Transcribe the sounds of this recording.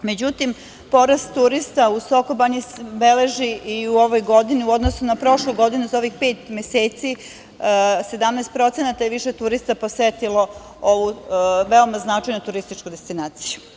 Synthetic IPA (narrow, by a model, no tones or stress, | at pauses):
me̞d͡ʑut̪im | po̞ɾast̪ːuɾist̪ausokobaɲisbele̞ʒiʔiuo̞ʋojɡo̞d̪iniuo̞d̪nosunapɾo̞ʃluɡo̞d̪inuzao̞ʋixpe̞ːt̪meseːt̪si | se̞d̪amnɛst̪pɾo̞t̪senat̪ajeʋiʃet̪uɾist̪apo̞set̪ilo̞ | oʋuʋeomaznat͡ʂajnot̪uɾist̪it͡ʃkud̪est̪inaːt̪siju̥